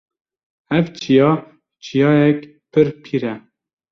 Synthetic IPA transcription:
ɛvt͡ʃʰijɑː | t͡ʃʰijɑːjɛkpʰɨɾpʰiːɾɛ

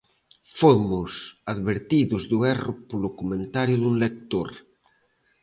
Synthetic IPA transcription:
fomʊsaðβeɾt̪iðʊzðuɛropolokumẽnt̪aɾjʊðuŋlek̚t̪oɾ

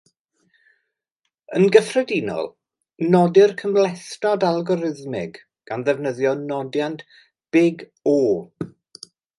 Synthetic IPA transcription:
ənɡəfrɛdinɔ̰lˠ | nɔdɪrkʰəmlɛθtɔdalˠɡɔɾɪðmɪɡ | ɡ̥anðɛvnəðjɔnɔdjant | b̥ɪɡ | oː

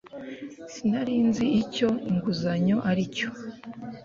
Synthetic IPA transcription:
sinaɾiːnziːco̞iŋɡuzaɲo̞ʔaɾico̥

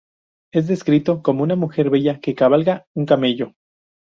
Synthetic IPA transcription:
e̞zðe̞skɾit̪o̞ko̞mounamuxe̞ɾβe̞ʝake̞kaβalɣauŋkame̞ʝo̞

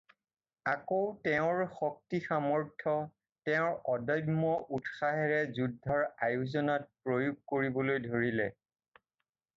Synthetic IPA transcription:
akowtɛʊ̃ɹxɔk̚tixamɔɹtʰɔ | tɛʊ̃ɹɔdɔjmɔʔutxaɦɛɹɛzudʱːɔɹajuzɔnɔt̚pɹojuɡ̚koɹibɔlojdʱoɹilɛ

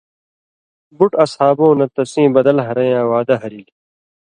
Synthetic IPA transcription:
buʈɐshaːbõːnɐt̪ɐsĩːbɐd̪ɐlɦɐɾɐ̃ːãːwaːd̪ɐɦɐɾili

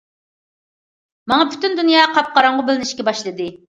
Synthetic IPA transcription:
mɑŋɑpʰy̥t̪ynd̪unjɑːqʰɑp̚qʰɑɾɑɴʁʊbɪlɪnɪʃkʲɛbɑʃlˠɨd̪ɨ

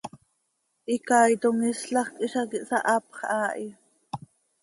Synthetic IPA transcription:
ʔikɑːjt̪oŋisɬɑχkʼiʃɑkiʔsɑʔɑpχʔɑːʔi

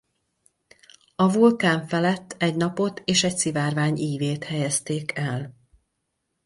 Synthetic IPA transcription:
ɒvulkaːɱfɛlɛt̪ːɛɟnɒpo̞t̪eːʃɛcsivaːrvaːɲiːveːt̪hɛjɛst̪eːkʰɛl

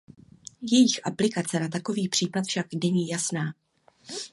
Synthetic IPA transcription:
jɛjɪxʔaplɪkat͡sɛnat̪̬ako̞viːpr̝̥iːplat̪fʃaknɛɲiːjasnaː

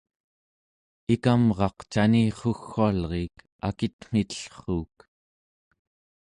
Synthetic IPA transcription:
ikamʁɑqt͡ʃaniːχoxːualʁeːk | a̰kit̪ŋ̥it̪ə̥ɬχuːk

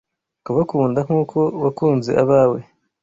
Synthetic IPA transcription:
kuβakuːndaŋ̥uːkʰo̞wakuːnzeʔaβaːwe

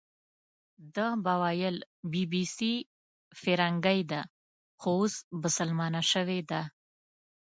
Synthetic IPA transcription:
d̪əbawɑjəl | bibisi | fɪɾaŋɡajd̪a | xoosmʊsəlmɑnaʃəwed̪a

